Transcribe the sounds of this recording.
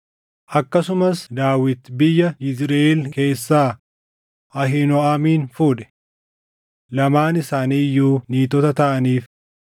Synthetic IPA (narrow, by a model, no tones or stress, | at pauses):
ʔɐkːɐsʊmɐsd̪aːwɪt̪bɪjːɐɪsɾeɛlke̞ːsːaː | ɐɦɪnɔaːmiːnfuːᶑɛ̥ | lɐmaːnɪsaːniːjːuːniːt̪ɔt̪ɐt̪ɐʔɐniːf